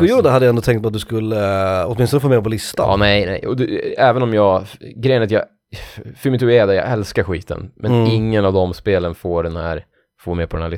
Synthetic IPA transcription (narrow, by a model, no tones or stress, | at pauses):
pʰɔjuːd̪əad̪əjɛnd̪ɔt̪ʰɛŋt̪̚bat̪̚d̪ɵskɵlːəɔ̰t̪mɪnst̪ɔnəfoːmeːpʰɔlɪst̪a̰nɛjnɛ̰jɔd̪ɛɛːvənɔmjɑːɡɡɾɛjənat̪jɑː | fœɾmɪt̪ʉːɛːd̪ajɑ̰ːɡɛlskaɾɧḭːt̪ʰə̰nmʔɛnɪŋːənɑvd̪ɔmspeːlənfoːɖɛnhæ̰ːɾ | foːɾmeːpʰɔdɛnæːlɪ